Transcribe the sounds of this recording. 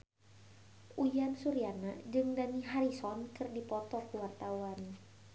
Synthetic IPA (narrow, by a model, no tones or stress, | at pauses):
ʔujansuɾianad͡ʒɨŋdaniɦaɾisɔnkɨrdipɔt̪ɔkəwart̪awan